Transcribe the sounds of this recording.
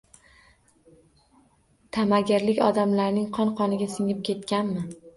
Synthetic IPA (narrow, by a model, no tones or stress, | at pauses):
t̪ʰamaɡʲɪɾlɪkʲɒd̪amlaɾnɪŋqʰɒnqʰɒnɪɡʲasɪŋɪp̚kʲʰe̞t̪kʲanmɪ